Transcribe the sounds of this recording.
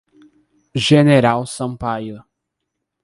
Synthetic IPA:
ʒeneɾawsɐ̃pajʊ

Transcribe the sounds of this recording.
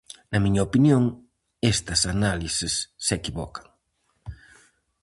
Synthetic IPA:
nɐmiɲɐopinjoŋ | est̪ɐsanalisɪsːekiβɔ̰kɐ̥ŋ

